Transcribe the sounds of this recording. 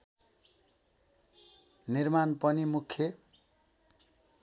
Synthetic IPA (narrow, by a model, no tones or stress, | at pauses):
nirmanpʌnimukʰːje